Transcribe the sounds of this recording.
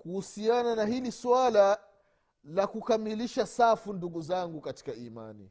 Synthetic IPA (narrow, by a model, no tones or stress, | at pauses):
kuhusiananahiliswala | lakukamiliʃasafunduɠuzaŋɡukati̥kaima̰nḭ